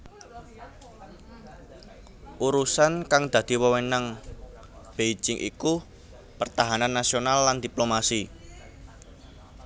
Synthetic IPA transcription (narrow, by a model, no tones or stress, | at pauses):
ʔuɾusankaŋd̪̥ä̤d̪̥i̤wəwenaŋ | b̥ejd͡ʒɪŋʔḭku | pərt̪aɦananːasionalːand̪̥i̤plomasi